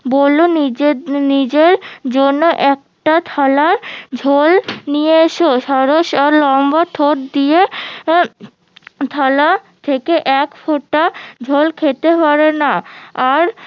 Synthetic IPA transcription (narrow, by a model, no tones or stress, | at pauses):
boloninid͡ʑeɾd͡ʑonːoʔɛk̚ | ʈat̪ʰalaɾd͡ʑʱolnijeeʃoʃɔɾoʃaɾlɔmbaʈʰoʈ̚d̪ie | t̪ʰalat̪ʰekeʔɛkfoʈːad͡ʑʱolkʰet̪epaɾenaaɾ